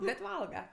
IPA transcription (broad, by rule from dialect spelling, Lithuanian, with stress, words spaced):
bʲɛt ˈʋɐlˠɡɐ